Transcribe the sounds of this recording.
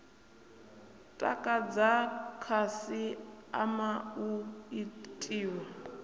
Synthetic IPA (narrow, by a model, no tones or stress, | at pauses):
tʼa̰kʼad͡zakʰasia̰mauitʼiːwa